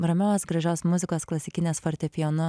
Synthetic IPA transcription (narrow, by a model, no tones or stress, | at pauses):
ɾɐmʲɛosɡɾɐʒʲoːsmʊzʲɪkoːsklˠɐsʲɪkʲɪnʲeːsfɔɾʲt̪ʲɛpʲɪjonʊ